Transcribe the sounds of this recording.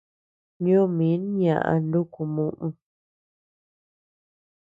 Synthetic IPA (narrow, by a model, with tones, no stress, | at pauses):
ɲõ˦mĩ˨˦n˦ɲã̰˨ʔã̰˨ndu˦ku˨mũ˧˨ʔũ˧